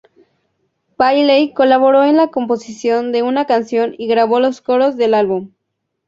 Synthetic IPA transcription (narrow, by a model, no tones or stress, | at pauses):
pajlejko̞laβo̞ɾo̞enlako̞mpo̞sisjo̞nd̪e̞unakansjo̞niɣɾaβo̞lo̞sko̞ɾo̞zðe̞lalβum